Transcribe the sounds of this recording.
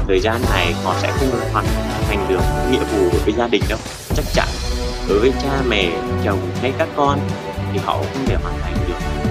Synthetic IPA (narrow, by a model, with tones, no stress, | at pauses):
t̪ʰəː˨˩jzaː˧nːa˨˩jkɔ̰˧˩nsɛ̰˧˥xi˧ɗo̰˧˨˩hwaː˨˩nʰ˨˩˧t̪ʰa˨˩jŋ̟ɗɨ˨˩ək̚ːŋḭ˧əvu˨˩ɗo˨˦jvəː˨˦jzaː˧ɗï˨˩ŋ̟ɗə˨˦wŋ͡m | t͡ɕa˦˥k̚t͡ɕa̰˧˥nɗo˨˩jvəː˨˦jt͡ɕaː˧mɛ̰˧˩t͡ɕə˨˩wŋ͡mhʰa˨˦jkaː˦˥kːɔ˧n | t̪ʰi˨˩hɔ̰˧˨xə˧wŋ͡mt̪ʰe˧˩hwaː˨˩nt̪ʰa˨˩jŋ̟ɗɨ˨˩ək̚